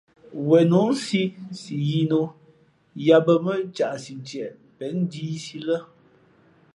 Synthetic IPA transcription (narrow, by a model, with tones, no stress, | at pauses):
wɛ˨nu˨˦n˦si˦si˨ji˦no˨ | ja˦bə˨mə˦t͡ʃa˨ʔsi˨n˨t͡ʃjɛ˨ʔ | pɛ˨˦n˦di˦si˦lə˦